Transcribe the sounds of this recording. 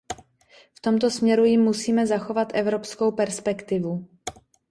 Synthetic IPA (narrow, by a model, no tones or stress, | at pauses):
ft̪o̞mt̪o̞smɲɛɾujɪmːusiːmɛzaxo̞vat̪ʔɛvɾopsko̞wpɛɾspɛkt̪ɪvu